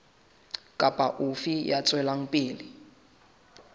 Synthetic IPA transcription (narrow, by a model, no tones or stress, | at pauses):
kʼapʼaʔufijat͡sʼwɛlaŋ̩pʼiːli